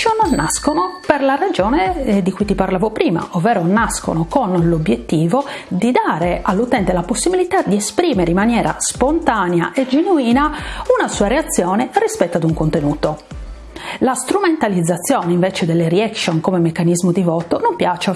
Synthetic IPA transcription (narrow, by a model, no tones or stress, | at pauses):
onːaskonoperlarad͡ʒɔːned̪ikujt̪iparlaːvopɾiːma̰ovːɛːɾonasko̰nokonlobjet̪ːiːvo | d̪id̪aːɾeʔalːut̪ɛnt̪elaposːibilit̪ad̪iespɾiːmeɾeimːanjɛːɾa̰spont̪aːnɛa̰ʔed͡ʒenuiːnaunasuːaɾeat̪sːjɔːnerispɛt̪ːoad̪uŋkont̪enuːt̪o | last̪ɾument̪alid̪zːat̪sːjɔːneiɱvɛt͡ʃed̪ɛlːeɾiakʃonkomemekːanizmod̪ivɔːt̪onompjaːt͡ʃa